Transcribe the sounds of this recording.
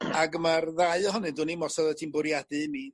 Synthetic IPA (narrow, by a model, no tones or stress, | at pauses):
aɡəmarðaɨɔɦɔnɨdʊːnimɔsɔðətʰiːnbʊɾjadɨmi